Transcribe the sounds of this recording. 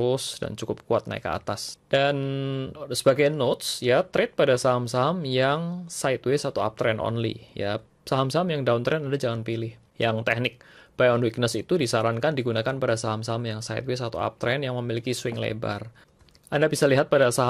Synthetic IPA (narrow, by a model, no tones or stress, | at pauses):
ʊsda̰nt͡ʃukʊp̚kuat̪̚na̰ɪ̰kːə̰a̰t̪asd̥an | səbaɡajnot̪̚sjat̪ɾɪt̪̚padasaɦamsaɦamjaŋsaɪt̪wesat̪uoa̰p̚t̪ɾɛnɔ̰nlḭja̰ | saɦamsaɦamjaŋdaunt̪ɾɛnadad͡ʒaŋanpilɪh | jaŋt̪ɛhnɪk̚bajɔnwik̚nəsit̪udisaɾankandiɡunakanpadasaɦamsaɦamjaŋsaɪ̰t̪̚wesat̪ṵa̰p̚t̪ɾɛnjaŋməmilikiswɪŋlḛba̰r | ʔandabisaliɦat̪̚padasaɦ